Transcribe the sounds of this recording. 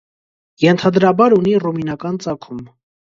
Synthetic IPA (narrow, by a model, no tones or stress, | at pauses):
jɛnt̪ʰɑd̪ɾɑbɑɾuniruminɑkɑnt͡sɑkʰum